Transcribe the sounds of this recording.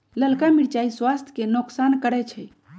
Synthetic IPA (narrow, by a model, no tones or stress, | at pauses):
ləlkamiɽt͡ʃaiswast̪ʰjkenoksankəɾɛt͡ʃʰɛ